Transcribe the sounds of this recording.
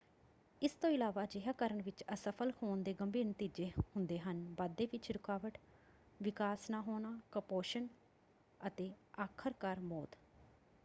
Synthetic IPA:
ɪst̪õːɪlaːʋaːd͡ʒɪɦaːkəɾəɳʋɪt͡ʃəsəpʰəlkʰoːnd̪eːɡəmbiːnt̪iːd͡ʒeːhʊnd̪eːɦənbaːd̪ːeːʋɪt͡ʃɾʊkaːʋəʈ | ʋɪkaːsnaːɦoːnaːkəpoːʃən | ət̪eːaːkʰəɾkaɾmoːt̪

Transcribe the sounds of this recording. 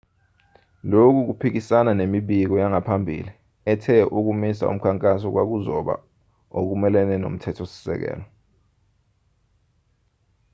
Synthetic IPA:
lok̬uk̬upʰik̬isananemiɓik̬ɔjaŋapʰambʱḭːli | ɛtʰɛʔuk̬umisa̰ṵm̩kʰaŋkʼasɔk̬wak̬uzɔɓa̰ | ok̬umɛlɛnɛno̰m̩tʰɛtʰosi̥sɛ̰k̬ɛ̰ːlɔ

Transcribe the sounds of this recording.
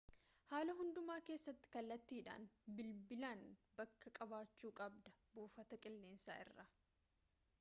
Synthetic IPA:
haːlɐɦʊnd̪ʊmaːke̞ːsːɐt̪ːɪ̥kɐlːɐt̪ːiːᶑa̰ːnbɪlbɪlaːnbɐkːɐkʼɐbaːt͡ʃːuːkʼɐbd̪ɐbuːfɐt̪ɐkʼɪlːe̞ːnsa̰ːʔɪ̰rːa

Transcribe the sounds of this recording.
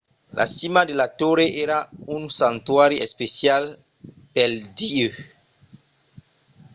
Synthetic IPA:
la̰simad̪elat̪oɾeʔeɾaunsant̪waɾiespesjal | peld̪iø

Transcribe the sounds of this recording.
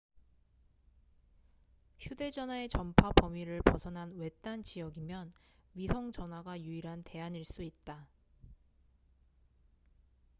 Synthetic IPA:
çjude̞d͡ʑʌnwae̞t͡ɕʌmpʰapʌmiɾɯɭpʌsʰʌnɦanwe̞t͈ant͡ɕijʌɡimjʌn | ɥisʰʌŋd͡ʑʌnwaɡajuiɾɦante̞aɲiɭs͈uit̚t͈a

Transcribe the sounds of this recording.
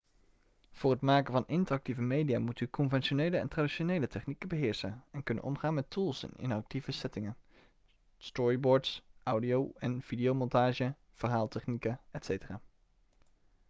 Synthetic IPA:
v̥ʊːrɦətmaːkənvɑnɪntərɑk̚tivəmejdijaːmutykʰɔnvɛnʃonejləɛ̰ntraːdiʃonejlətɛχnikənbəɦɪːɹsənɛnkɵnə̰nɔ̰mχaːnmɛtulˠsɛ̰nɪ̰nɑk̚tivəsɛtɪŋən | stɔɹibɔːɹtsʔawdijowɛnv̥idijowmɔntaːʒə | v̥əɹɦaːlˠtɛχnikəɛtsejtəraː

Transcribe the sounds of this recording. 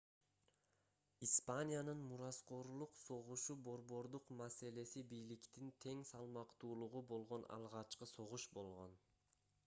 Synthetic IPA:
ispanʲijanɯnmuɾɑsqo̞ɾlˠuqso̞ʁuʃubo̞ɾbo̞ɾd̪uqmase̞le̞sibijlikt̪int̪ʰe̞ŋsɑlˠmɑqt̪uːlˠuʁubo̞lˠʁo̞nɑ̰lˠʁɑt͡ʃqɯso̞ʁuʃbo̞lˠʁo̞̰n

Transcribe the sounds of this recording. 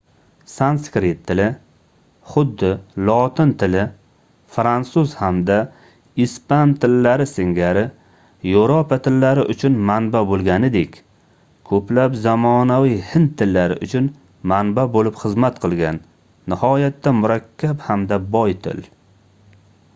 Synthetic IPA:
sanskɾet̪ʰːɪlɪ | χʊd̪ːɪlˠɒt̪ʰɪnt̪ʰɪlɪ | fɾansʊzhamd̪a | ispant̪ʰɪlːaɾɪsɪŋɡʲaɾɪ | joɾopʰat̪ʰɪlːaɾɪʔʊt͡ʃʰʊnmanbabolˠɡʲanɪd̪ekʲ | kʰɵplapzamɒnavijhɪnt̪ʰːɪlːaɾɪ̰ʔʊt͡ʃʰʊn | manbabolɪpχɨzmat̪qʰɨlˠɡʲanː | ɪhɒjat̪ːamʊɾakʲʰːaphamd̪abɒjt̪ʰɪ̰l

